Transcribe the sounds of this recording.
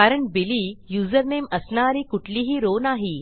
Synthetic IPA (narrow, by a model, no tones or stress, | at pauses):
kaɾəɳbiliːjuːzəɾneməsnaɾiːkuʈʰliːɦiːɾonaɦi